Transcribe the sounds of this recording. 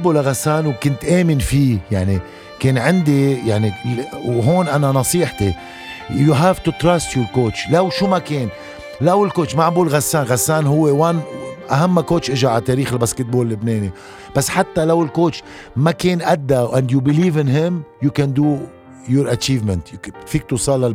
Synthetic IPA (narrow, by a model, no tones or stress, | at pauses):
bulaɣasːaːnwkʊnt̪ʔeːmɪnfijaʕni | keːnʕɪnd̪ijaʕniwɦoːnʔananɑsˤiːħt̪i | juɦavt̪ut̪ɾast̪julkoːt̪t͡ʃlawʃumakeːn | lawɪlkoːʃmaʕabuːlɣasːaːnɣasːaːnɦʊwːewanʔaɦamːakoːt̪t͡ʃʔɪʒaʕat̪eːɾiːxɪlbaskɪt̪̚boːllːɪbneːni | b̥asːħat̪ːalawɪlkoːt͡ʃ | makeːnʔad̪ːaʔãnd̪jubɪliːvɪnɦɪmjukænd̪u | jʊɾʔat͡ʃiːvmɛ̃nt̪fiːk̚t̪usˤɑːlːa